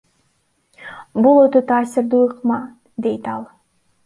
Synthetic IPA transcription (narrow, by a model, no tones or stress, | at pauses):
bulˠø̞t̪øt̪ʰɑːsɪɾd̪uɯqmɑ | d̪e̞jt̪ɑlˠ